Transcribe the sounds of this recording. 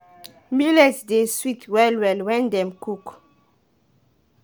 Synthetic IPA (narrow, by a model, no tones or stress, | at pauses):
milɛsdeswitʰwɛlwɛlwɛ̃ndɛ̃mkuk